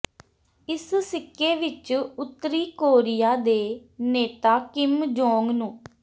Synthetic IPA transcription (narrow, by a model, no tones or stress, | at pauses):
ɪssɪkːeːʋɪt͡ʃʊt̪ːəɾiːkoːɾɪjaːd̪eːneːt̪aːkɪmd͡ʒoːŋɡnũː